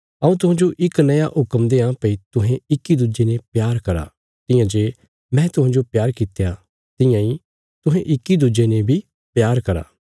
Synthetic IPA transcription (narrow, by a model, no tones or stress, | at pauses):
ɐũt̪ʊɦãːd͡ʒoʔɪknɐjaʔɦʊkəmd̪eãːpəit̪ʊɦẽɪkːid̪ud͡ʒenepjaːɾkɐɾa̰ː | t̪ɪ̃jãd͡ʒeː | mɛ̃ːt̪ʊɦãːd͡ʒopjaːɾkɪt̪ja | t̪ɪjãi | t̪ʊɦẽʔɪkːid̪ud͡ʒenebʱi | pjaːɾkɐɾa̰ː